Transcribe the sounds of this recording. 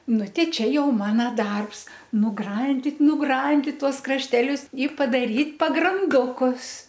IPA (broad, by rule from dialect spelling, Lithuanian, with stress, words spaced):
ˈnʊ ˈtʲɛɪ ˈt͡ʃʲɛ ˈjɛʊ ˈmɑːnɐ ˈdɐrps nʊˈɡrɐnʲdʲɪt nʊˈɡrɐnʲdʲɪt ˈtuɔs krɐʃʲˈtʲæːlʲʊs ɪ pɐdɐˈrʲiːtʲ pɐɡrɐnˈdʊkʊs